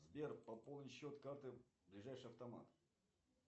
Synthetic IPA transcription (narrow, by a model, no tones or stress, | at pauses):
zbʲe̞rpɐpolˠnəjɕːo̞t̪kart̪ɨblʲɪʐajʂɨɐft̪ɐma̰t̪